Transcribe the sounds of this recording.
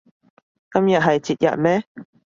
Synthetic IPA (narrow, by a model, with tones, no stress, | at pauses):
kɐ˥mjɐ˨t̚ɦɐ˨jt͡siː˨t̚jɐ̰˨t̚mɛː˦˥